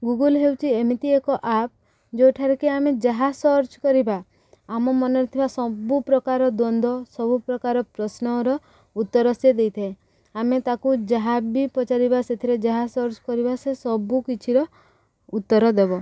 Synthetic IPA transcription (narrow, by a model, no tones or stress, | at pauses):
ɡuɡulɦewt͡ʃʰiemit̪iekɔʔap̚ | d͡ʒoʈʰaɾɔkiamed͡ʒaɦasɔɾt͡ʃkɔɾibaː | mɔmɔnɔɾit̪ʰibasɔbupɾɔkaɾɔd̪ɔnd̪ʱɔsɔbupɾɔkaɾɔpɾɔsnɔɾɔ | ut̪ːɔɾɔsjed̪ejt̪ʰae | amet̪akud͡ʒaɦabipɔt͡ʃaɾibaset̪ʰiɾed͡ʒaɦasɔɾt͡ʃkɔɾibasesɔbukit͡ʃʰiɾɔ | ut̪ːɔɾɔd̪ebɔ